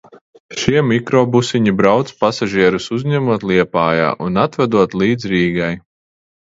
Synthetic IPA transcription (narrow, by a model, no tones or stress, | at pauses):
ʃiɛmikɾɔːbusiɲibɾawt̪spasaʒiɛɾusuzɲɛmuɔt̪lˠiɛpaːja̰ːʔunat̪vɛd̪uɔt̪lˠiːd̪zɾiːɡaj